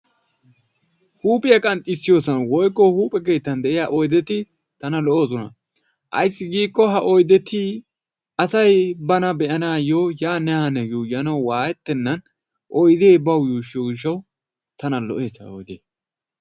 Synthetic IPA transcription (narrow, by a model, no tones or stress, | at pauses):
huːpʼɪjɐkʼɐnt̪ʼːɪsːɪjoːsɐnwɔjkːɔhuːpʼɛk̬e̞ːt̪ːɐnd̪ɛʔɪjaʔɔjd̪ɛt̪ɪ | t̪ɐnɐlɔʔoːsɔnɐ̰ | ʔɐ̰jsːɪɡiːkːɔɦɐʔɔjd̪ɛt̪i | ʔɐsɐjbɐnɐbɛʔɐnaːjojaːnɛhɐnɛjuːjɐnɐwwaːjɛt̪ːɛnːɐn | ʔɔjd̪e̞ːbɐwjuːʃoɡɪʃ̬ːɐw | t̪ɐnɐlɔʔe̞ːsɐɔjd̪eː